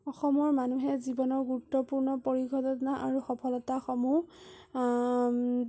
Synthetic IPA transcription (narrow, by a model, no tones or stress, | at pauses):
ɔxɔmɔɹmanuɦɛzibɔnɔɹɡuɹutːɔpuɹnɔpoɹiɡʱɔtɔtɔnaʔaɹuxɔpʰɔlɔtaxɔmu